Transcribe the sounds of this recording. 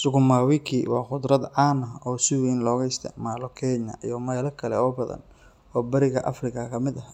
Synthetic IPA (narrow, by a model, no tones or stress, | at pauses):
sʊɣʊmaːwɪkʰiːwɑːχʊd̪ɾɐd̪ʕɑːnɐɔːsɪwɛnlɔːɣɐɪst̪ʰɐ̰maːlɔkʰɛːɲɐ̰jɔmɛːlɐkʰɐlɛ̰ɔːbɐðɐ̰n | ɔːbɐɾɪɣɐʔɐ̰frɪkʰɐkʰɐmɪd̪ɐh